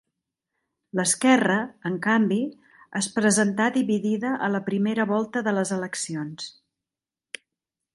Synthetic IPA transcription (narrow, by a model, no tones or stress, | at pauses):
ləskɛrəəŋkambi | əspɾəzənt̪aðiβiðiðəʔələpɾimeɾəβɔlˠt̪əðələzələksions